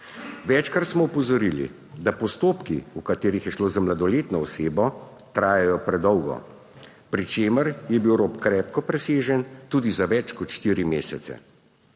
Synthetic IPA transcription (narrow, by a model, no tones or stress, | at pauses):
ʋɛt͡ʃkɾat̪smɔupɔzɔɾilḭ | d̪apɔst̪oːpkiukat̪eːɾixjɛʃloːzamlad̪ɔleːt̪nɔɔseːbɔ | t̪ɾaːjajɔpɾɛd̪ɔwɡɔ̰ | pɾit͡ʃeːməɾjɛbiwɾopkɾɛːp̚kɔpɾɛseːʒənt̪uːd̪izaʋɛt͡ʃkɔt̪ʃt̪iːɾimeːsɛt̪sɛ̰